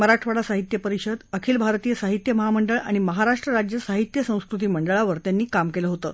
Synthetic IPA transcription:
məɾaʈʋaɽasaɦit̪jəpəɾiɕəd̪əkʰiːlbʱaɾt̪ijəsaɦit̪jəməɦaməɳɖəɭa̰ɽ̃iməɦaɾaʂʈɾəɾad͡ʑjəsaɦit̪jəsə̃w̃skɾut̪̬iːməɳɖəɭaʋəɾt̪janːiːkamkeləɦot̪ə̰ː

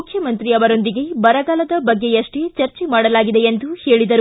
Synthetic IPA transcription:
ukʰjɐmɐnt̪ɾiɐʋɐɾo̞nd̪iɡe̞bɐɾɐɡaːlɐd̪ɐbɐɡːe̞jɐʂʈet͡ʃɐɾt͡ʃemaːɽɐlaːɡid̪eend̪uhe̞ːɭid̪ɐɾu

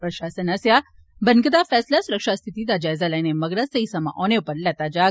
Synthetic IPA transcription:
pɾɐʃaːsənɐsja | bɐnkəd̪afɛːslasuɾəkʂast̪ʰit̪iːd̪ad͡ʒaːjzalajnemɐɡɾasɐisɐma̰ʔɔːnepɐɾlɛt̪ad͡ʒaː

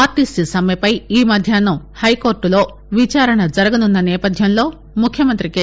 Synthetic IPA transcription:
aːɾʈisʈisɐmjɐpɐjiːmɐd̪ʱjaːnɐ | hɐjko̞ːɾʈulo̞ː | ʋit͡ʃaːɾɐɳɐd͡ʒɐɾɐɡɐnunːɐnɛːpɐd̪ʱjɐmlo̞ː | mukʰjɐmɐnt̪ɾike

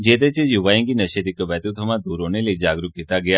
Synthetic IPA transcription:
d͡ʒet̪et͡ʃejuʋajə̃ŋɡinəʃed̪ikəʋɛt̪ut̪ʰəmãd̪uɾoneled͡ʒaɡɾuk̪̚it̪aɡəja

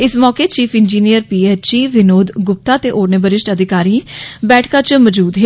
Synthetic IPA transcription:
ɪsmɔːkeːt͡ʃiːpʰɪnd͡ʒiːnijəɾpiːeːt͡ʃiːʋɪnoːd̪ɡʊp̚t̪aːt̪eːʔoːɾneːbəɾɪʃʈəd̪ɪkaːɾiːbɛːʈʰkaːt͡ʃməd͡ʒuːd̪ɦe

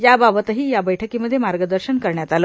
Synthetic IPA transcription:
jababət̪əɦiːjabəjʈʰəkiːməd̪ʱːjemaɾɡəd̪əɾɕənkəɾɳjat̪aləː

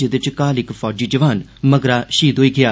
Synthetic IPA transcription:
ed̪ɪt͡ʃkaːlɪkpʰɔːd͡ʒiːd͡ʒəʋaːn | məɡɾaːʃiːd̪oːiːɡɪjaː

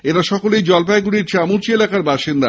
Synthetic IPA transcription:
eɾaʃɔkolejd͡ʑɔlpaeɡuɽiɾt͡ɕamuɾt͡ɕielakaɾbaʃind̪a

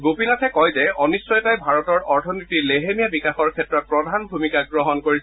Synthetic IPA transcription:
ɡopinatʰɛkɔjzɛɔnisɹɔjtajbʱaɹɔtɔɹɔɹtʰɔnitileɦemijabikaxɔɹkʰɛtɹɔt̚pɹɔdʱanbʱumikaɡɹɔɦɔnkoɹis

